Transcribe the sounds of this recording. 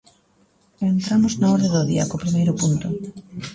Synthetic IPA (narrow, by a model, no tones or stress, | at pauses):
ent̪ɾamʊznaɔɾðeðoðiɐkopɾimejɾʊpunt̪ʊ